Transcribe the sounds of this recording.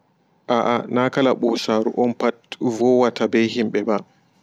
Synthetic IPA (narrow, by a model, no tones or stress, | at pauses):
ʔaʔanakalaɓɔsaːɾṵʔɔnpatvɔwatabɛjɦimɓɛba